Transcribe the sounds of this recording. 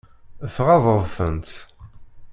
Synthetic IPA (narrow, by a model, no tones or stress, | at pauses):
əfʁɑðˤəðˤθənt̪